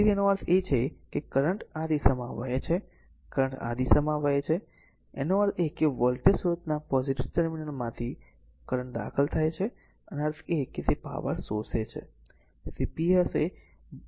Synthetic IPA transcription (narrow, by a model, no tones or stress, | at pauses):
id̪ienoəɾt̪ʰet͡ʃʰekekəɾəɳʈad̪isəmãʋa̰et͡ʃʰe | kəɾə̃ɳʈa̰d̪isəmãʋaet͡ʃʰe | enoəɾekeʋəlt̪jəsuɾət̪napɔziʈiʋʈəɾminəlmãt̪ʰi | kəɾəɳʈd̪a̰kʰəlt̪ʰajt͡ʃʰe | əneaɾt̪ʰeket̪epa̰ʋə̰ɾsoset͡ʃʰḛ | sipiese